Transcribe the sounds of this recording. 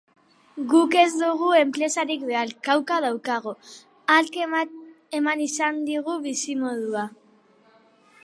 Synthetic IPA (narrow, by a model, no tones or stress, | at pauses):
ɡuke̞zd̪uɣ̞ue̞mpɾe̞saɾikbe̞alkawkað̞awkaɣ̞o̞ | alk | e̞manisand̪iɣ̞uβisimo̞ð̞ua